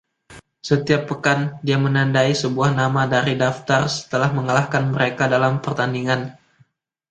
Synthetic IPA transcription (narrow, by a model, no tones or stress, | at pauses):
sət̪iapːəkandiamənandaisəbuahnamadaɾidaft̪arsə̥t̪əlahməŋalahkanməɾekadalampərt̪andiŋan